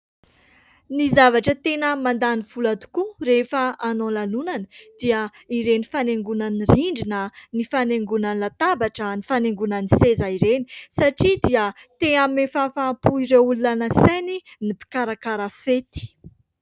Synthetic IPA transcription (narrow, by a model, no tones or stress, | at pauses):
nizavaʈ͡ʂət̪enəmand̪aniv̥ulat̪u̥kurefəanolalunanəd̪̥iə | iɾenifaneŋɡunaniriɳɖ͡ʐinənifaneŋɡunanilat̪abaʈ͡ʂənifaneŋɡunanisezaiɾeni̥saʈ͡ʂid̪iət̪eamefafapuiɾeululanəsaninipi̥kaɾakaɾafet̪i̥